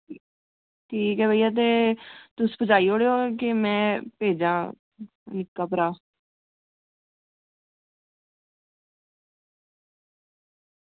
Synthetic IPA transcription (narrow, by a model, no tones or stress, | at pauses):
ʈʰiːkɦɛːbʱəijaːt̪̬eːt̪ʊspəd͡ʒaːiːoːɽeːoːkemɛ̃ːpeːd͡ʒaː | nɪkːaːpəɾaː